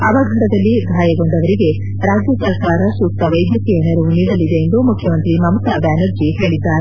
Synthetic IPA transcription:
ɐbɐɡʱɐʈɐd̪ɐlːiɡ̪ʱaːjɐɡo̞ɳɖɐʋɐɾiɡe̞ | ɾaːd͡ʒjɐsɐɾkaːɾɐsuːk̚t̪ɐʋɐjd̪jɐk̪iɐnɐɾuniːɽɐlid̪e̞ːnd̪umukʰjɐmɐnt̪ɾimɐmt̪ɐbaːnɐɾd͡ʒiɦeːɭid̪ːaːɾe

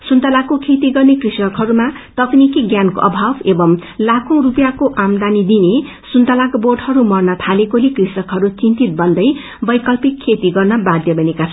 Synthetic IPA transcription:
sunt̪alakokʰet̪iɡʌrnekrisʌkɦʌɾumat̪ʌknikiɡjanko̰ʔʌ̰bʱabebʌmlakʰõrupjakoʔamd̪anid̪ine | sunt̪alakborɖɦʌɾumʌrnʌt̪ʰalekolekrisʌkɦʌɾut͡sint̪it̪̚bʌnd̪ʌj | bʌjkʌlpikʰːet̪iɡʌrnʌbad̪ʱjʌbʌnekat͡sʰʌ

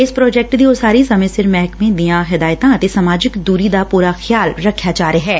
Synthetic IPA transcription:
ɪspɾɔːd͡ʒɛːk̚ʈd̪iːoːsaːɾiːsɐmə̃sɪɾmɛɦkmẽd̪ijãːɦɪd̪aːjt̪ãət̪esəmaːd͡ʒɪkd̪uːɾid̪aːpuːɾaxjaːlɾəkʰːjaːd͡ʒaːɾeɦɛː

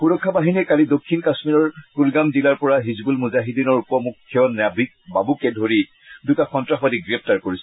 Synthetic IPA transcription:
puɹɔkʰːabaɦiniɛkalidokʰːinkasmiɹɔɹkulɡamzilaɹpɔɹaɦizbulmuzaɦidinɔɹupɔmukʰːjɔnabik̚babukɛdʱoɹi | dutaxɔntɹaxbadiɡɹɛp̚ʰtaɹkoɹisɛ

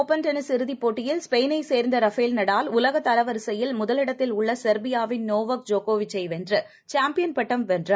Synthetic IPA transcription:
oːpːɐnʈɐnɯsɪɾɯðipːoːʈːɪjɪlspejnɐɪseːɾnd̪ɐɾɐfeːlnɐɽaːlʊlɐɣɐt̪ːɐlɐʋɐɾsɐjɪlmʊðɐlɪɽɐt̪ːɪlʊɭːɐsɐɾbɪjaːʋɪnnoːʋɐk̚d͡ʒoːkoːʋɪt͡ʃːɐɪʋɛndrɯ | t͡ʃaːmpɪjɐnpɐʈːɐmʋɛndrɯ

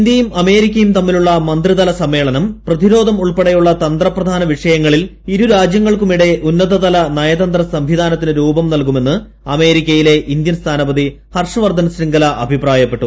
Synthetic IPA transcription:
ind̪jɐjumɐme̞ːɾikʲːɐjumt̪ɐmːiluɭːɐmɐnd̪riðɐlɐsɐmːe̞ːɭɐnɐmprɐðiɾo̞ːd̪ʱɐmuɭpeɽɐjuɭːɐt̪ɐnd̪rɐprɐd̪ʱaːnɐʋiʂɐjɐŋːɐɭil | iɾuɾaːd͡ʑjɐŋːɐɭkumiɽe̞ʔunːɐðɐðɐlɐnɐjɐd̪ɐnd̪rɐsɐmʋid̪aːnɐt̪ːinɨɾuːbɐmnɐlkume̞nːɨ | ɐme̞ːɾikʲːɐjile̞ʔind̪jɐnst̪ʰaːnɐbɐd̪i | hɐrʂɐʋɐrd̪ʱɐnɐsriŋɡɐlɐʔɐbʱipraːjɐpːeʈːu

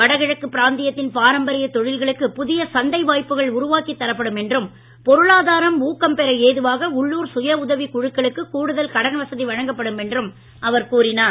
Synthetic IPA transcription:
ʋɐɽɐɣɪɻɐkːɯpːɪɾaːnd̪ɪjɐt̪ːɪnpaːɾɐmbɐɾɪjɐt̪ɔɻɪlɣɐɭɯkːɯpʊðɪjɐsɐnd̪ɐɪʋaːjpːɯɣɐɭʊɾʊʋaːkit̪ːɐɾɐpːɐɽɯmɛndrɯm | pɔɾɯɭaːðaːɾɐmuːkːɐmpɛɾɐeːðɯʋaːɣɐʊɭːuːɾsʊjɐʊðɐʋikʊɻɯkːɐɭɯkːɯkuːɽɯðɐlkɐɽɐnʋɐsɐðiʋɐɻɐŋɡɐpːɐɽɯmɛndrɯm | ʔɐʋɐɾkuːrɪnaː

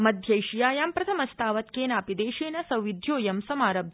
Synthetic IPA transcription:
mɐd̪ʱjɐjʃijaːjaːmpɾɐt̪ʰɐmɐst̪ʰaːʋɐt̪̚keːnaːpid̪eːʃeːnɐsɐwʋid̪ʱjoːjɐmsɐmaːɾɐb

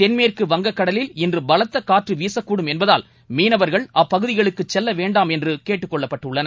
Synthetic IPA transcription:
t̪ɛnmeːrkɯʋɐŋɡɐkːɐɽɐlɪlɪndrɯbɐlɐt̪ːɐkaːʈrɯʋiːsɐkːuːɽɯmɛnbɐðaːl | miːnɐʋɐɾɣɐɭʔɐːpːɐɣɯðɪɣɐɭɯkːɯt͡ʃːɛlːɐʋeːɳɖaːmɛndrɯkeːʈːɯkːɔɭːɐpːɐʈːɯɭːɐnɐ

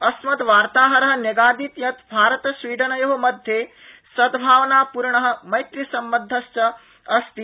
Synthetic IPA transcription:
ɐsmɐd̪ʋaːɾt̪aːɦɐɾɐɦɐ̆njɐɡaːd̪it̪jɐt̪bʱaːɾɐt̪ɐsʋiːɖ̪ɐnɐjoɦomɐd̪ʱjeː | sɐd̪bʱaːʋnaːpuɾɳɐɦɐ̆mɐjt̪ɾisɐmbɐd̪ʱːɐst͡ʃɐ | ɐst̪i

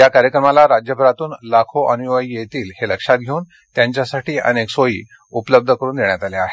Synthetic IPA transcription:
jakaɾjəkɾəmalaɾad͡ʑjəbʱəɾat̪uːnlakʰoʔənuʋəijet̪iːlheləkʂat̪̚ɡʱeuːn | t̪jaɲt͡ɕjasaʈʰiːə̰neksojḭː | upləb̚d̪ʱəkəɾuːnd̪eɳjat̪aleaɦe

